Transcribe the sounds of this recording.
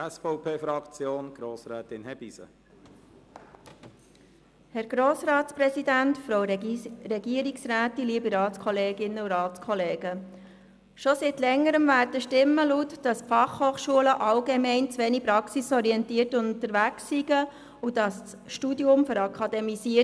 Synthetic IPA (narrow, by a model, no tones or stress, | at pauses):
ɛsfɔʊpʰeːfɾɑkt͡sjoːnɡ̥ɾoːsɾɛːt̪ɪnhɛb̥isə̰ | hɛɾɡ̥ɾoːsɾɑːtsprɛsidæntfɾowɾɛɡiəɾiksræːtiliːbiɾɑːtskʰɔleːɡɪnːəuɾɑːtskʰɔleːɡ̥ə | ʃɔsitlɛŋːəɾəmvæːɾdəʃtɪmːəlutd̥ɑsfɑχhoːχʃuələʔɑlɡemɛɪnt͡sʋɛnipɾɑksisɔɾiɛntiːərtʊntəɾʋæksːiɡ̥ə | ud̥ɑss | ʃtudiʊmføɾɑkʰɑd̪ɛmisi